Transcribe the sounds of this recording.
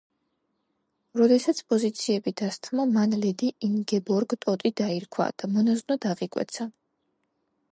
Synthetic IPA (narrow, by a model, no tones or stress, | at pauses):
ɾɔd̪ɛsat̪sʰpʼɔzit̪sʰiɛbid̪ast̪ʰmamanlɛd̪iiŋɡɛbɔɾɡt̪ʼɔt̪ʼid̪aiɾkʰwa̰d̪̥amɔnaznad̪aʁikʼwɛ̰t̪sʰa